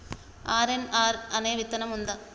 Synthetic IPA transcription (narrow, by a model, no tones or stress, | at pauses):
aːɾenaːɾɐneːʋɪt̪ːɐnɐmʊnd̪ɐ